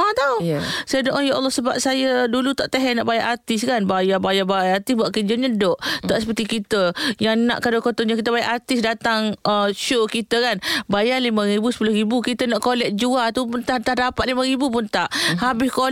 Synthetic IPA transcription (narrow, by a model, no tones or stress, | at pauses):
at̪asajədoʔojaʔɔlːɔhsəba̰p̚sajədulut̪aʔt̪eɦɛna̰ʔbajaʔat̪ɪskanbajabajabaajart̪ɪsbuaʔkəd͡ʒəɲədɔʔt̪aʔsəpərt̪ikit̪əjaŋna̰ʔkadokot̪ɔɲəkit̪əbajaʔat̪ɪsdat̪aŋəʃokit̪əkanbajalimə̃ɾibusə̥pulʊhɾibukit̪ənaʔkolɛk̚d͡ʒuat̪upunt̪at̪adapat̪ʔlimaɾibup̬ʊnt̪aʔhabɪsko